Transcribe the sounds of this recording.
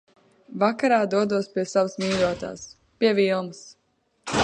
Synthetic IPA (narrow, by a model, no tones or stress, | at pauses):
vakaɾaːd̪uɔd̪uɔspʲiɛsavəsmiːɾuɔt̪a̰ːs | piɛvilˠmɨs